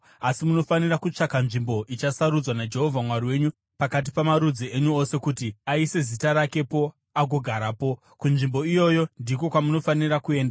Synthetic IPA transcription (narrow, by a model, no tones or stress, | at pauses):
asimuno̞fanirakut͡ʂakanʐimbo̞ʔit͡ʃasaɾud͡zwanad͡ʒe̞ɦo̞vʱamwariwe̞ɲu | pakat̬i̥pamaɾud͡zie̞ɲuose̞kutiaise̞zitaɾake̞po̞ | aɡʱoɡʱaɾapo̞ | kunʐimbo̞ijo̞jo̞ndiko̞kwamuno̞fanirakue̞ːnda